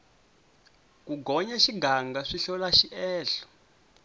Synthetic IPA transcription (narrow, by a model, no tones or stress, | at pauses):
kuɡɔɲaʃiɡʱaŋɡaʂiɬɔlaʃiʔɛːɬɔ̥